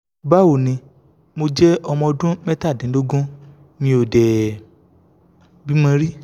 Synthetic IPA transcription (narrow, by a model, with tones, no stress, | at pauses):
ba˦wo˨nĩ˧ | mo˧d͡ʒɛ˦ɔ˧mɔ̃˧ɔ˧dũ˦mɛ˦ta˦˨dĩ˨˦lo˦ɡũ˦ | nĩ˧˦o˨dɛ˨ | bi˨˦mã˧ɾi˦